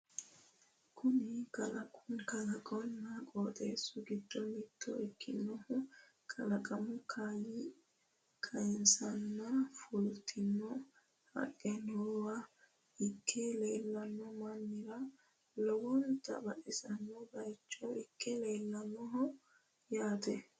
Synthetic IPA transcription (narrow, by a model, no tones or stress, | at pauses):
kʰʊnɪkɐlɐkʼʊnkɐlɐkʼɔnːɐkʼoːt̪ʼe̞ːsːʊɡɪd̪̥ːɔmɪd̪̥ːɔɪkːɪnːɔhʊ | kʰʼɐlɐkʼɐmʊkʰajɪ | kʰɐjɪnsɐnːɐfʊlt̪ʰɪnːɔ | hɐ̰kʼːɛnoːwɐ | ɪkʰːɛle̞ːlːɐnːɔmɐnːɪɾɐ | lɔwɔnt̪ɐ̰bɐʔɛsɐnːɔbɐjt͡ʃːɔɪkʰːɛleːlːɐnːɔɦɔ | jaːt̪ɛ